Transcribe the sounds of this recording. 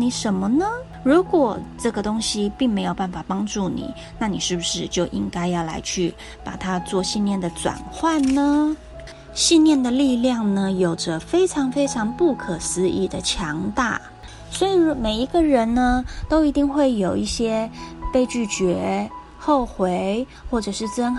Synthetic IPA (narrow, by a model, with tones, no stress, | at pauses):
ni˨˩ʂə˧˥nmə˧nə˧ | ɻu˧˥kwɔ˨˩ʈ͡ʂɤ˥˩ɡə˩t̪ʊ˥ŋɕi˥pi˥˩ŋme˧˥ɪjo˨˩ʊpa˥˩nfa˨˩pɑ˥ŋʈ͡ʂu˥˩nḭ˨˩˦ | na˥˩ni˨˩ʂɻ̩˥˩bu˩ʂɻ̩˥˧t͡ɕjo˥˩ʊʔi˥ŋka˥ɪjɑ˥˩ʊla̰˧˥ɪt͡ɕʰy˥˩ | pa̰˨˩t̪ʰa˥t͡swɔ˥˩ɕi˥˧nljɛ˥˩nd̪ə˩ʈ͡ʂwa̰˨˩nxwa˥˩nnə˩ | ɕi˥˧nljɛ˥˩nd̪ə˨li˥˧ljɑ˥˩ŋnə˩jo˨˩ʊʈ͡ʂə˦fe˥ɪʈ͡ʂʰɑ˧˥ŋfe˥ɪʈ͡ʂʰɑ˧˥ŋpu˥˩kʰɤ˨˩sɹ̩˧˥ḭ˥˩d̪ə˨t͡ɕʰjɑ˧˥ŋt̪a̰˥˩ | swɔ˧˥i˨˩˥me˨˩ɪi˧˥ɡə˧ɻə˧˥nnə˧t̪o˥ʊi˧˥t̪i˥˧ŋxwe˥˩ɪjo˨˩ʊi˥˩ɕjɛ˥pe˥˧ɪt͡ɕy˥˩t͡ɕɥɛ˧˥ | xo˥˩ʊxwe˧˥ɪ | xwɔ˥˩ʈ͡ʂɤ˨˩ʂɻ̩˥˩t͡sə˥n